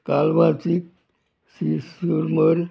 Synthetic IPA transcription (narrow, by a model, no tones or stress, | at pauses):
kalʋãt͡sik̚ | sisuɾməɾ